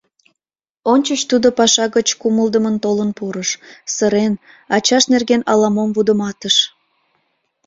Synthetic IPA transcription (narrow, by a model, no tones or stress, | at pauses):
onʲt͡ɕət͡ɕt̪ud̪opɑʃɑɣət͡ɕkuməld̪əmənt̪olənpuɾəʃsəɾen | ɑt͡ɕɑʃnerɣenɑlɑmomvud̪əmɑt̪əʃ